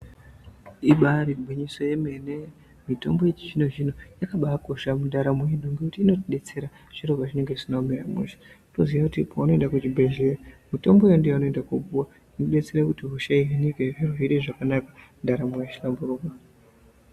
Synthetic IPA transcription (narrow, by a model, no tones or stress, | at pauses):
iɓaɾibʱwiɲiso̞je̞me̞ne̞ | mito̞̰mbojet͡ʃiʐino̞ʐino̞jakaɓaako̞ʃamundaɾamuinoŋɡekutiːno̞tiɗe̞t͡se̞ɾa | ʐ̥irokaʐine̞ŋɡeisinameɾamṵʃḁunoziʋakutipauno̞endakut͡ʃibʱe̞ʒeramito̞mbo̞jendijauno̞endakuɓuwa | inoɗe̞t͡seɾakutiɦuʃaiɦanikeɦiruɦiɗeʐakanakḁ | ndaɾamujaʃilambuɾuːkwa